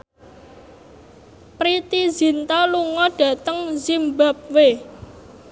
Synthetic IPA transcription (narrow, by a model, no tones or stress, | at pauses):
pɾit̪izi̤nt̪aluŋɔɖ̥a̤t̪əŋzimbap̚we